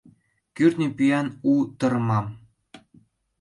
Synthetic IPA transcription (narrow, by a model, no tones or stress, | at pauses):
kyrt̪nʲĕpyjɑnut̪ɤ̆rmɑm